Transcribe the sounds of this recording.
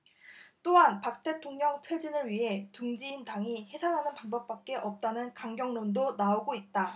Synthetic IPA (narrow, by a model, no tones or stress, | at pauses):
t͈oɦanpak̚t͈e̞tʰoŋɲʌŋtʰwed͡ʑinɯɭɥiɦe̞tuŋd͡ʑiːntaŋihe̞sʰanɦanɯnpaŋbʌp̚p͈ak͈e̞ʔʌp̚t͈anɯnkaŋɡjʌŋnondonaoɡoit̚t͈a